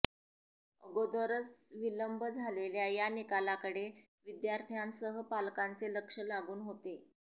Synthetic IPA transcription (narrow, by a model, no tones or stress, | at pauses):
əɡod̪oɾəsʋiləmbʱəd͡zʱaleljajanikalakəɽe | ʋid̪jaɾt̪ʰijansəɦəpalkant͡seləkʂəlaɡuːnɦot̪e